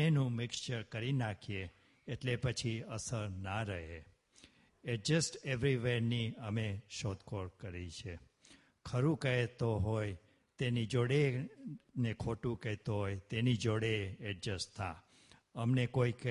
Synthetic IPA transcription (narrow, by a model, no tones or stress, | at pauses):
enũmɪkt͡ʃəɾkəɾinakʰieː | ʈlepət͡ʃʰiəsəɾnaɾəɦe | ɛʈ̚d͡ʒəsʈeʋɾiʋeɾniəmeʃot̪kʰoɾkəɾit͡ʃʰe | kʰəɾũkəet̪oɦoj | t̪enid͡ʒoɽe | nekʰoʈũkəɦt̪oɦojt̪enid͡ʒoɽeɛʈ̚d͡ʒəsʈt̪ʰːa̰ | əmnekoik